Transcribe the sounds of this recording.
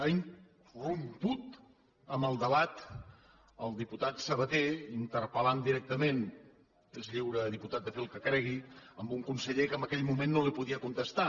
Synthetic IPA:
ain | rumput̪ | əməlˠd̪əβat̪ | əlˠd̪iput̪at̪səβət̪eint̪əɾpəland̪iɾɛk̚t̪əmen | ezʎiwɾəðiput̪at̪̚d̪əfelˠkəkɾɛɣ̞iəmbuŋkunsəʎekəmbəkɛʎmumenːolipuðiəkunt̪əst̪a

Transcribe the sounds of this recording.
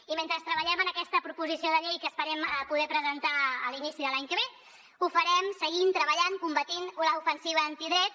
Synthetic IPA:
iment̪ɾəst̪ɾəβəʎɛmənəkɛst̪əpɾupuzisioðəʎejkəspəɾɛməpuðɛpɾəzənt̪aə̰linisiðəlaɲkəβe | ufəɾɛmsəɣint̪ɾəβəʎaŋkumbət̪inuləufənsiβ̞əənt̪iðɾɛt̪

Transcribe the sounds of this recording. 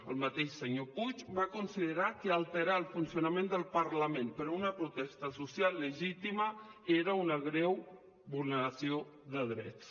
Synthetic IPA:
əlˠmət̪eʃsəɲoput͡ʃβakunsiðəɾakəalˠt̪əɾaəlˠfunsjunamẽnd̪əlˠpəɾləmenpəɾunəpɾut̪ɛst̪əsusjalːəʒit̪iməeɾəunəɣ̞ɾɛw | bulˠnəɾasio | ðəðɾɛ̰t̪s

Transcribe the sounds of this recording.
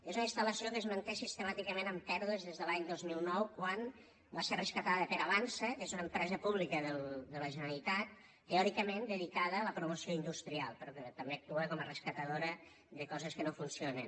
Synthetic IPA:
ezunəinst̪ələsiokəːzmənt̪esist̪əmat̪ikəmenəmpɛɾðəzðezðəlaɲd̪ozmilˠnɔwkwan | baserəskət̪aðəpəɾaβansəkezunəempɾɛzəpuβlikəðəld̪ələʒənəlit̪at̪̚ː | əɔɾikəmend̪əðikaðəːləpɾumosioind̪ust̪ɾialˠpəɾɔkət̪əmbeək̚t̪uəkɔmərəskət̪əðoɾə | ðəkɔzəskənofunsionən

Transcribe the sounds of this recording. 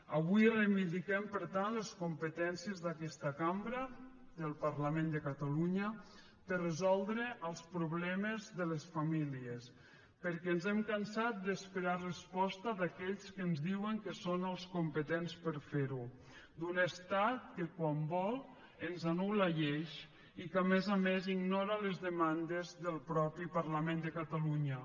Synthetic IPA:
aβujrəβiðikɛmpəɾt̪anleskumpət̪ɛnsiəzðakɛst̪akambɾa | d̪əlˠpaɾlamẽnd̪əkat̪aluɲə | pərəzɔlˠd̪ɾəʔəlˠspɾuβlɛmezðələsfamilies | pəɾkɛnzɛmkansat̪̚d̪əspeɾarəspɔst̪aðakɛʎskənzðiwəŋkəsonəlˠskumpət̪enspəɾfeɾu | d̪unəst̪at̪̚kəkwambɔlˠ | ənzanulaʎeʃ | ikamezameziɡnɔɾaləzðəmand̪ezðəlˠpɾɔpipaɾlamẽnd̪əkat̪aluɲə

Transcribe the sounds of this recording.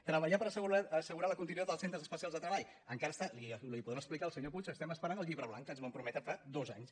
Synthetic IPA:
t̪ɾəβəʎapəɾəsəuaəsəɣuɾaləkunt̪inuoðəlˠsent̪ɾəzəspəsialzðət̪ɾəβaʎ | əŋkaɾəst̪alilipuðɛməsplikaəlˠsəɲoput͡ʃəst̪ɛməspəɾanəlˠʎiβɾəβlaŋkənzməmpɾumɛt̪əfad̪oza̰ɲs

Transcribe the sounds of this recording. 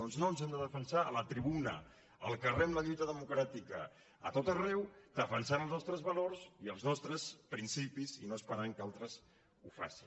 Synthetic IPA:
ɔnznonzɛmd̪əðəfənsaələt̪ɾiβunə̰ | əlˠkərɛmləʎujt̪əðəmukɾat̪ikə̰ | ə̰t̪ot̪ərɛwd̪̥əfənsanəlˠznɔst̪ɾəzβəlorziəlˠznɔst̪ɾəspɾinsipizḭnoəspəɾaŋkalˠt̪ɾəz | ufa̰si

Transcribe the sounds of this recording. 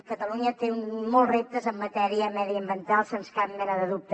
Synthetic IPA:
kət̪əluɲət̪eumɔlˠrep̚t̪əzəmːət̪ɛɾiəmɛðiəmbənt̪alˠsenskap̚mɛnəðəðup̚t̪

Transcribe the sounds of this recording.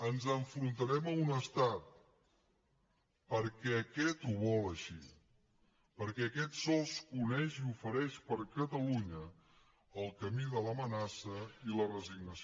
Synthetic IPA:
ənzəɱfɾunt̪əɾɛməunəst̪at̪̚ | pəɾkɛəkɛt̪uβɔləʃi | pəɾkɛəkɛt̪sɔskunɛʃiufəɾɛʃpəɾkət̪əluɲə | əlˠkəmiðələmənasəilərəziɡ̚nəs

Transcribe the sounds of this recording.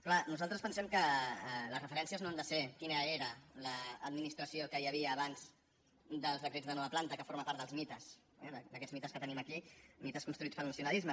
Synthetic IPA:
klanuzalˠt̪ɾəspənsɛmkələzrəfəɾɛnsiəznoand̪əsekinəeɾələːd̪minist̪ɾəsiokəjəβiəːβanz̥ | d̪əlˠzðəkɾed͡zðənɔβəplant̪əkəfoɾməpaɾt̪d̪əlˠzmit̪əs | ɛðd̪əkɛd͡zmit̪əskət̪əniməkimit̪əskunst̪ɾuit͡spəlˠnəsiunalizmə

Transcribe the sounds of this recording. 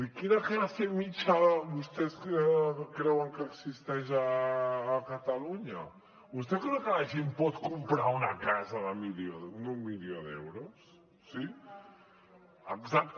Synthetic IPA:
ikiɾakəβasemit͡ʃaβust̪ɛskəkɾɛwəŋkəːksist̪ɛʃəː | kət̪ɐluɲɐ | βust̪ɛkɾɛwkəlɐʒempɔt̪kumpɾaunɐkazəðəmiljonummiljoðɛ̰wɾusː | i | əɡzak̚t̪

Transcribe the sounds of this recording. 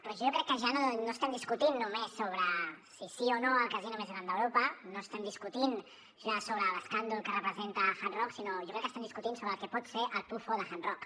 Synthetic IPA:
pɾɔʒokɾɛkːəʒanonoəst̪ɛmd̪iskut̪inːumesːoβ̞ɾəsisionoəlˠkəzinumezɣɾand̪əwɾopənoəst̪ɛmd̪iskut̪in | ʒasoβɾələskand̪ulˠkərəpɾəzent̪əxanrɔksinoʒokɾɛkːəst̪ɛmd̪iskut̪insoβɾəːlˠkɛpɔt̪seʔəlˠp̪ufoðəxanrɔk

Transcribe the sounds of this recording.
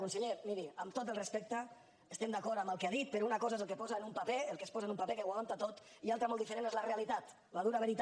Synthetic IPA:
unseʎemiɾiəmt̪ot̪əlˠrespɛk̚t̪ə | əst̪ɛmd̪akɔɾt̪ambəlˠkeaðit̪̚peɾounakɔzaezəlˠkepɔzaenumpapeəlˠkespɔzaenumpapekeɣwaant̪at̪ot̪ialˠt̪ɾəmɔlˠd̪ifəɾenezlarealit̪at̪ | laðuɾaβeɾit̪

